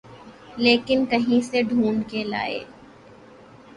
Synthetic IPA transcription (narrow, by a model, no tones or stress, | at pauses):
leːkɪnkɐɦĩseɖʱuːɳkela̰ːḛː